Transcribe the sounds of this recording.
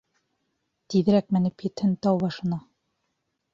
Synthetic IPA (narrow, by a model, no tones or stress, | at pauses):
t̪iðɘ̆ɾæk̚mæ̆nɘpjɘ̆t̪hɘnt̪ɑwbɑʃɤ̆nɑ